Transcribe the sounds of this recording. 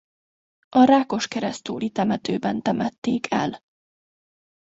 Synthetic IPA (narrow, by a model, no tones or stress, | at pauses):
ʔɒɾaːko̞ʃkɛɾɛst̪uːlit̪ɛmɛt̪øːbɛnt̪ɛmɛt̪ːeːkʰɛ̰l